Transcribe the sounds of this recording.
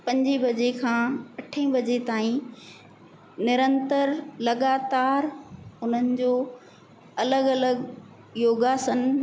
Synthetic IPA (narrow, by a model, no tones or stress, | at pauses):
pɐ̃ɲd͡ʑibɐd͡ʑekʰãːɐʈʰə̃ĩbɐd͡ʑet̪aːĩ | nɪɾə̃nt̪əɾlɐɡaːt̪aːɾʊn̤ənɪ̆d͡ʑoː | ɐləɡɐləɡ | joːɡaːsən